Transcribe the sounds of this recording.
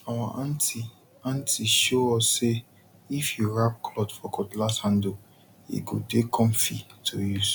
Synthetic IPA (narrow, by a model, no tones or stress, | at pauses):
awaʔãnti | ãntiʃoɔsːe | ifjuɹap̚kʰlɔtfɔkɔtlashãndo | ḭɡodekʰɔ̃mfḭtʰoju